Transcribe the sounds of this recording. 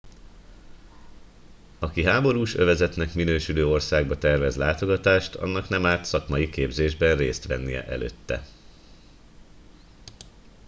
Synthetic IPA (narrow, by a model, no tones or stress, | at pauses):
ɒkiɦaːbo̞ɾuːʃø̞vɛzɛt̪nɛkminøːʃyløːo̞rsaːɡ̚bɒt̪ɛrvɛzlaːt̪o̞ɡɒt̪aːʃt̪ʰɒ̰nːɒknɛmaːt̪sɒkmɒjikeːbzeːʒbɛnreːst̪ʋɛnːijɛ̰ʔɛ̰lø̰ːt̪ːɛ̰